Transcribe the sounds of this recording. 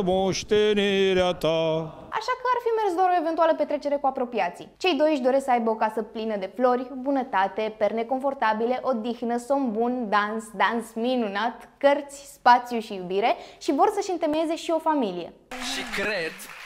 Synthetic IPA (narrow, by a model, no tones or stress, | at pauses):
moʃt̪eniɾeat̪a | a̰ʃakəarfime̞rsd̪oaɾo̞e̞vent̪ualəpe̞t̪ɾe̞t͡ʃe̞ɾe̞kuapɾo̞piat̪sḭt͡ʃe̞jd̪o̞jʃ̬d̪o̞ɾesksəajbeəo̞kasəplinəd̪e̞flo̞rʲbunət̪at̪e̞perne̞ko̞ɱfo̞rt̪abileʔo̞d̪ixnəso̞mbund̪ansd̪ansminunat̪kərt̪sʲspat̪sijuʃijubiɾe̞ʃivo̞rsəʃɨnt̪e̞meeze̞ʃio̞familije̞̰ | ʃikɾed̪